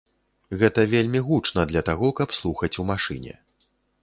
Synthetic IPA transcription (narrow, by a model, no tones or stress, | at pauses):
ɣɛt̪ɐvʲelʲmʲiɣut͡ʂnɐd̪lʲɐt̪aɣɔkɐpslˠuxɐt͡sʲumaʂɨ̰nʲɛ̰